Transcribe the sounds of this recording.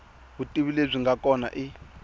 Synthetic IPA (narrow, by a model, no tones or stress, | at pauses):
βutʼiβileb͡ʐʷiŋɡakʼɔna̰ʔi